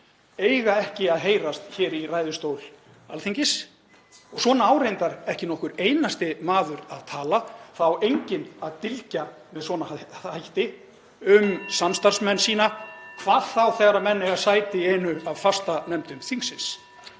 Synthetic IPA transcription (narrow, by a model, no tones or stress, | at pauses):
ejɣaɛhcɪaðɦeːjɾast̪çɛːɾiraːjðʏst̪owl | alθiɲcɪs | ɔɣswɔːnaawɾejnt̪aɾɛhcɪnɔhkʏɾejnast̪ɪmaːðʏɾaðt̪ʰaːlaθawejɲcɪnaðt̪ɪlca | mɛðswɔːnaajht̪ɪ | ʏmsamst̪ar̥smɛnːsiːnakʰvaːðθawθɛɣaɾamɛnːɪɣaðsaːjt̪ɪeːnʏavfast̪anɛmt̪ʏmθiŋsɪns